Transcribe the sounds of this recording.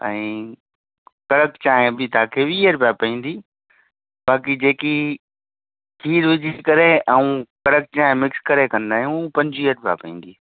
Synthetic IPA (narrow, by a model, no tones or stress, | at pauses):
ɛ̰̃ː | kɐɽəkt͡ɕaːɦɪ̃bɪt̪aːkʰeːʋiːəɾpjapɐĩːn̆d̪iː | baːkid͡ʑeːki | kʰiːɾʋɪd͡ʑʱikɐɾeʔɛũkɐɽək̚t͡ɕaːɦẽmɪkskɐɾekɐ̃nd̪aːĩuupɐ̃ɲd͡ʑiːəɾpja̰pɐĩːn̆d̪iː